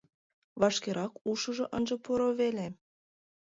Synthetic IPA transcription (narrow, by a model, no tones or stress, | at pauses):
βɑʃkeɾʔɑkuʃɤʒŏʔənʒɤ̆poɾoβele